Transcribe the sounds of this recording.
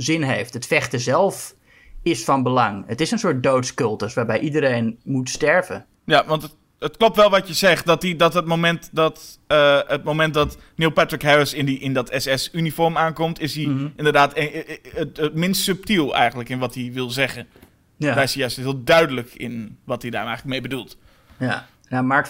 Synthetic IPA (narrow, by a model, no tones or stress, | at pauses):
zɪnɦejftətfɛχtəzɛlˠf | ɪsfɔnbəlɑŋətɪsənsʊɹt̚dowtskɵlˠtəsʋaːɹbɛjʔidəɾejnmutstɛɹvə̰ | jaʋɑnt | ətklop̚tʋɛlˠʋɔtjəzɛχt̚dɔtidɔtɦət̚momɛntdɔtəət̚momɛnt̚dɔt | nilˠpɛtɹɪkɦɛɹəsɪndiʔɪndɔtɛsɛsynifɔɹmaːnkɔmtɪsiʔɪndərdaːt | ətmɪnstsɵp̚tilˠɛ̰jχəntləkɪnʋɑtiʋɪlˠzɛχən | ɛsijœstɦɪːlˠdœɥdələkɪ̰nʋɑtida̰ːrɛjχləkmejbədulˠt | namaɹ